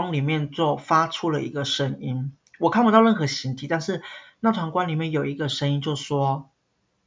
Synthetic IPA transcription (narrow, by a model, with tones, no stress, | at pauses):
ŋli˨˩mjɛ˥˧nt͡sɔ˥˩ʊfa˥ʈ͡ʂʰu˥lə̰˨ḭ˧˥ɡə˨ʂə˥ŋi˦n | wɔ˨˩kʰa˥˩npu˧t̪ɑ˥˧ʊɻə˥˩nxɤ˧˥ɕi˧˥nt̪ʰi˨˥t̪a˥˧nʂɻ̩˥˩na˥˩t̪ʰwa˧˥ŋkwa˥nli˨˩mjɛ˥˩njo˨˩ʊi˧˦˥ɡə˧ʂə˥ŋi˥nt͡ɕjo˥˧ʊ˩ʂwɔ˥